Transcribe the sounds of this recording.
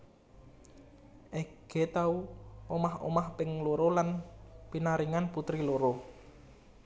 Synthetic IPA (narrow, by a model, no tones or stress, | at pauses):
ʔeɡ̥et̪auomaho̰mahpɪŋloɾolanpinaɾiŋanput̪ɾiloɾo